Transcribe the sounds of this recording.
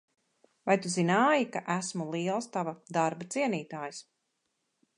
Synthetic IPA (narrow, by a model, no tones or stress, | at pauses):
vajt̪uzinaːjikaʔæsmulˠiɛlˠst̪avad̪aɾbat̪siɛniːt̪aːjs